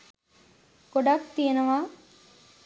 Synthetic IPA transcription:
ɡ̥oɖak̚t̪ijenəʋaː

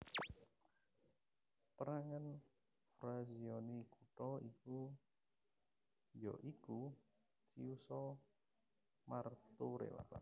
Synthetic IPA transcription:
pəɾaŋən | fɾaziɔnikuʈɔiku | jɔ̰ʔiku | t͡ʃiusɔ | mart̪uɾḛwa̰a̰

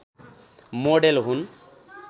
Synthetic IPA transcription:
moɖelɦun

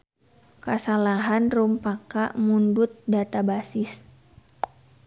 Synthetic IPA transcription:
kasalaɦanrumpakamundut̪̚dat̪abasɪs

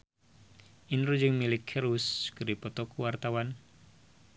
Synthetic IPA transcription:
ʔinɾud͡ʒɨŋmilɪkʰɛɾuskɨripɔt̪ɔkuwart̪awan

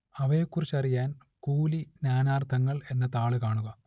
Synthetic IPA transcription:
ɐʋɐjekːurit͡ɕːɐrijaːn | kuːlinʲaːnaːrt̪ʰɐŋːɐɭe̞nːɐt̪aːɭɨkaːɳuɣɐ

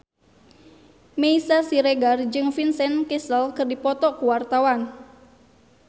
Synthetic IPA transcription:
meisasiɾeɡard͡ʒɨŋfinsɛnkesəlkɨrdipɔt̪ɔkuwart̪awan

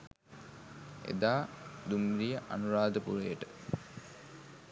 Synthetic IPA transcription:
ḛd̪aːd̪umɾijəʔa̰nuɾaːd̪əpṵɾəjəʈə

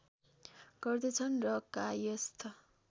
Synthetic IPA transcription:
ɡ̥ʌrd̪et͡sʰʌnrʌkajʌst̪ʰʌ

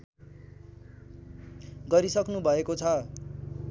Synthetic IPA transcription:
ɡʌɾisʌknubʱʌekot͡sʰʌ

